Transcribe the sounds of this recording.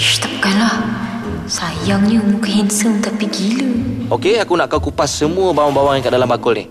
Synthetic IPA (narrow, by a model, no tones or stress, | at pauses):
st̪ap̚kanlah | sajaŋɲəmukɦɛnsəmt̪apiɡiləokeakunaʔkawkupasːəmuəbawaŋbawaŋaŋkaʔdalambakʊlnih